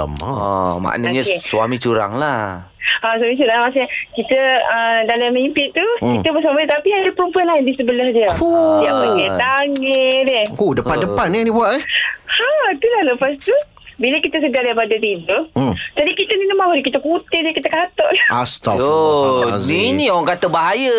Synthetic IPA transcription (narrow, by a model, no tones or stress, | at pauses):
ə̰mma̰ʔnaaɲakesuamit͡ʃuɾa̰ŋlah | asuwamit͡ʃuɾaŋmas̬ɲakit̪əədalamimpɪʔt̪ukit̪əbəs̬amənət̪apiadapəɾumpuanlaɦndisəbəlahdiaujaŋəjet̪aŋɛɾɛodəpandəpanːiadibuaʔ | at̪ulahləpas̬t̪u | bilakit̪əs̬əɡadaipadat̪idod͡ʒadikit̪əninəmahɾikit̪əkut̪ɪdiakit̪əkaat̪ɔʔlaast̪ao | ninioaŋkat̪əbaɦajə